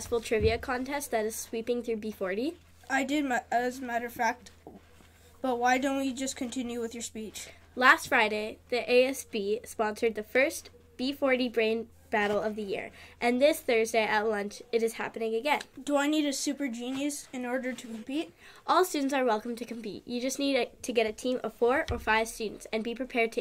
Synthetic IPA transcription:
sfl̩ˠtʰɹ̥ɪviɨkʰɑ̃ntʰɛst̚ðɨɾɨz̥swipɪ̃ŋθɹʉbifɔɹɾi | aɪdɪd̚mɨzmæɾə˞fæk̚t | b̥ʌt̚waɪdõʊ̃nt̚wid͡ʒʌskʰɨ̃ntʰɪ̃njʉwɨðjə˞spit͡ʃ | læstfɹaɪɾeɪðiʔeɪɛsb̥ispɑ̃nsə˞d̪̚ðɨfɜ˞st | b̥ifɔɹɾibɹẽɪ̃n | b̥æɾl̩ˠʌvðɨjɪ̰ɹʔɨ̃nðɪsθɜ˞zdeɪʔɨtˡlʌ̃nt͡ʃɨɾɨz̥hæ̰pɨ̃nɪ̃ŋɨɡɛ̃nd̥əaɪniɾɨsʉpə˞d͡ʒĩnjɨsɨ̃nɔɹɾə˞ɾʰɨkʰm̩pit̚ | ʔɔlˠstʉdⁿn̩tsə˞wɛlˠkm̩tʰɨkʰm̩pḭʔɨd͡ʒʌsniɾtʰɨɡɛɾɨtʰĩmʔʌ̰v̥fɔɹə˞faɪv̥stʉdⁿn̩tsɨ̃nbipʰɹ̥ipʰɛɹd̚tʰɨ

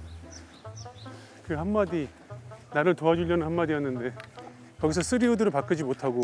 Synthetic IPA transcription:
kɯɦamːadi | naɾɯɭtoad͡ʑuʎjʌnɯnhamːadijʌnːɯnde̞ | kʌɡisʰʌs͈ʰɯɾiudɯɾɯɭpak͈ɯd͡ʑimotʰaɡo

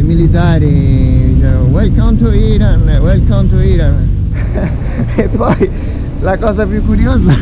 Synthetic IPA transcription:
milit̪aːɾikɛɾowɛlkant̪oiɾanwɛlkant̪oiːɾan | epːɔj | lakɔːzapjukːuɾioːza

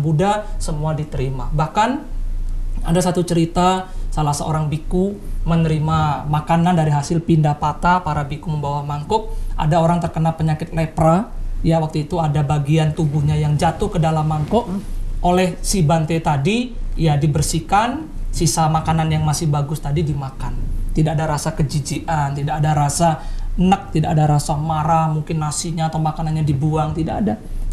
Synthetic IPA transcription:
budasəmuadit̪əɾimabahkan | adasat̪ut͡ʃəɾit̪asalahsəo̰ɾaŋbikumənəɾimamakanandaɾiɦasɪlpindapat̪apaɾabikuməmbawahmaŋkʊk̚ʔa̰daoɾaŋt̪ərkənalpəɲakɪt̪̚lɛprajawak̚t̪uit̪uadabaɡiant̪ubuhɲajaŋd͡ʒat̪ʊhkədalamːaŋkɔʔʔolɛhsibant̪et̪adijadibərsikan | sisamakananjaŋmasɪhbaɡʊst̪adidimakant̪idaadaɾasakəd͡ʒid͡ʒiʔant̪idaʔadaɾasanək̚t̪idaʔadaɾasamaɾamuŋkɪnːasiɲaːt̪awmakananɲadibuaŋt̪idaʔːda

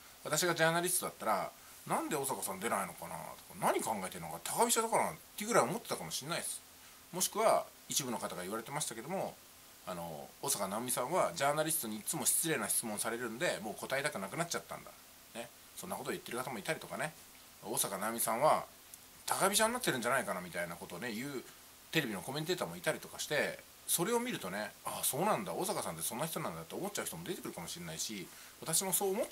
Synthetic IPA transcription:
βat̪aɕiɡad͡ʑaːnaɾʲisɨ̥t̪o̞d̪at̪ːaɾa̰ | nãnd̪e̞o̞ːsakasãnd̪e̞naino̞kana̰t̪okanaɲ̟ikãŋɡae̞t̪e̞ɾɯnokat̪ʰakabʲiɕad̪akanat̪ːeiɯɡɯɾaio̞mo̞t̪ːet̪akamo̞ɕĩnːaisɨ̥ | mo̞ɕi̥kɯ̟βa | it͡ɕibɯ̟no̞kat̪aɡaiβaɾe̞t̪emaɕi̥t̪ake̞d̪o̞mo̞ | ano̞̰oːsakanamʲisãɰ̃βad͡ʑaːnaɾʲist̪o̞ɲ̟iːt͡sɨmo̞ɕi̥t͡sɨɾe̞ːnaɕi̥t͡sɨmõ̞ɰ̃saɾe̞ɾɯ̟nod̪e̞mo̞ːko̞t̪aet̪akɯ̟nakɯ̟nat͡ɕ̚at̪ːã̰nd̪a̰ | ne̞ | sonːakot̪oit̪ːe̞ɾɯ̟kat̪amoit̪aɾʲit̪o̞kane̞ | oːsakanamʲisãɰ̃βa | t̪ʰakabʲiʑãnːat̪ːeɾɯ̟ɲ̟d͡ʑanaikanamʲit̪ainako̞t̪o̞ːne̞jɯ̟ː | t̪e̞ɾe̞bʲino̞ko̞mʲe̞nt̪e̞ːt̪aːmo̞it̪aɾʲit̪o̞kaɕi̥t̪e̞ | so̞ɾe̞o̞mʲiɾɯ̟t̪o̞ne̞aso̞ːnãnd̪aoːsakasãnt̪̬ːe̞sõ̞nːaçi̥t̪o̞nãnd̪at̪ːeomo̞tt͡ɕ̚t͡ɕːaɯ̟çit̪o̞mo̞d̪et̪ekɯ̟ɾɯ̟kamo̞ɕienaiɕi | βat̪aɕimo̞so̞ːmo

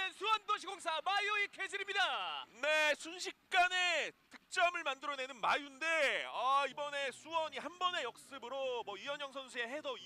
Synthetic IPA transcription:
sʰuwʌndoɕʰiɡoŋsʰamaioikʰed͡ʑiɾimɲidane̞sʰunɕʰik̚k͈ane̞tɯk̚t͡ɕ͈ʌmɯɭmandɯɾʌne̞nɯnmajunde̞aibʌne̞sʰuwʌɲihanbʌne̞jʌk̚s͈ɯbɯɾomwʌijʌɲʌŋsʰʌnsʰue̞ɦesʰʌ

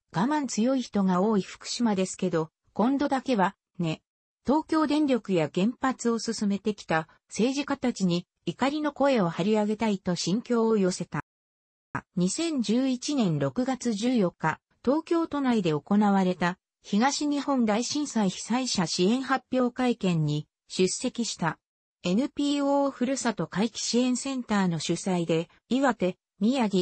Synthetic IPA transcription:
ɡ̥amãnt͡sɨjo̞içi̥t̪o̞ɡao̞ːiɸɯ̥kɯ̟̥ɕimad̪e̞sɨ̥ke̞d̪o̞ | kõ̞nd̪o̞d̪ake̞βa | ne̞ | t̪o̞ːkʲo̞ːd̪ẽ̞nɾʲo̞kɯ̟jaɡẽ̞mpat͡sɨo̞sɨsɨme̞t̪e̞kʲi̥t̪a | se̞ːʑikat̪at͡ɕiɲ̟i | ikaɾʲino̞ko̞e̞o̞haɾʲiaɡe̞t̪ait̪o̞ɕĩŋkʲo̞ːjo̞se̞t̪a | ɲ̟isẽ̞ɲ̟d͡ʑɨːit͡ɕinẽ̞nɾo̞kɯ̟ɡat͡sɨʑɨːjo̞kːa | t̪o̞ːkʲo̞ːt̪o̞naid̪e̞o̞ko̞naβ̞aɾe̞t̪a | çiɡaɕiɲ̟ihõ̞nd̪aiɕĩɰ̃saiçi̥saiɕaɕiẽ̞ɰ̃hapʲːjo̞ːkaikẽ̞ɲ̟ːi | ɕɨse̞kʲiɕi̥t̪a | e̞nɯ̟pʲiːoːɸɯ̟ɾɯ̟sat̪o̞kaikʲi̥ɕiẽ̞ɰ̃sẽ̞nt̪aːno̞ɕɨsaid̪e̞ | iβat̪e̞ | mʲijaɡʲi

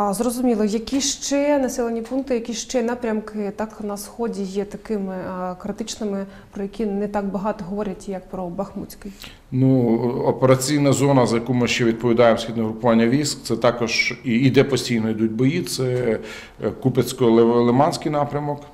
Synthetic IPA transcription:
zrɔzʊmʲilˠɐjɐkʲiʃt͡ʃɛnɐsɛlˠɐnʲipunk̚t̪ɪjɐkʲiʃt͡ʃɛnɑpɾʲɐmkɪt̪ɑknɐsxɔdʲijɛt̪ɐkɪmɪkɾɪt̪ɪt͡ʃnɪmɪ | pɾɔjɐkʲinɛt̪ɑɡbɐɦɑt̪ɔɦɔʋɔɾʲɐtʲjɐk̚pɾɔbɐxmut͡sʲkɪj | nuɔpeɾɐt͡sʲijnɐzɔnɐzɐjɐkumɪʃt͡ʃɛʋʲid̪̚pɔʋʲid̪ɑjemsʲxid̪nɔɦɾʊpʊʋɑnʲːɐʋʲijsk̚tsɛt̪ɑkɔʒiːd̪ɛpɔsʲtʲijnɔid̪ut̚ʲbɔjit̪sɛ | kupet͡sʲkɔlˠemɑnʲsʲkɪjnɑpɾʲɐmɔk

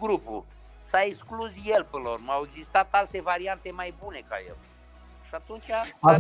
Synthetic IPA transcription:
ɡɾupṵ | saeksklusjelpɨnormaweɡzist̪at̪alt̪e̞vaɾiant̪e̞majbune̞ka̰je̞̰l | ʃat̪unt͡ʃʲaa

